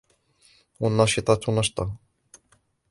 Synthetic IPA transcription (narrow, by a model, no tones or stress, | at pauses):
wanːɑʃɪt̪ˤɑt̪nɑʃt̪ˤɑ